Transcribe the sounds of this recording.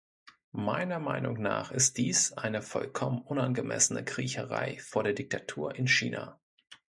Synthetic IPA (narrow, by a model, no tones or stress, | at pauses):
maɪnɐmaɪnʊ̰ŋnaːχɪst̚d̥iːsʔaɪnəfɔlkʰɔmənʔʊnanɡəmʔɛ̰sənəkʁ̥iːçəʁa̰ɪfoːɐdeːɐdɪk̚tʰatʰuːɐʔɪnʃiːna